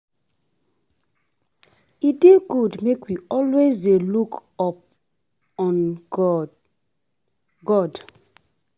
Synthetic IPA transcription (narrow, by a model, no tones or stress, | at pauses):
ideɡudmekwiɔlwezdelukɔp̚ | ɔ̃n | ɡɔd